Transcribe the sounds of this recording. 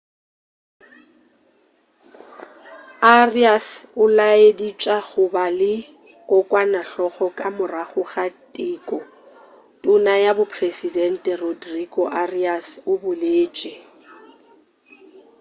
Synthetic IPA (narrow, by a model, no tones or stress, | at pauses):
ariasʊlaedit͡ʃʼaɣʊbalɪ | kʼʊkʼwanaɬɔχɔkʼamʊraχʊɣatʼiːkʼɔ | tʼʊnajabʊpʰresidɛn̩tʼɛrodrikʼɔʔariasʊbʊleːt͡ʃʼɪ